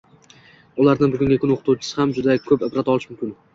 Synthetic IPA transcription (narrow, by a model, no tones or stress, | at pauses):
ʊlaɾnɪŋbʊɡʲʊŋɡʲakʰʊnoqʰɨ̥t̪ʰuwt͡ʃʰɪ̥sɪhamd͡ʒʊd̪akʰɵpɪpɾat̪ɒlˠɪʃmʊmkʲɪn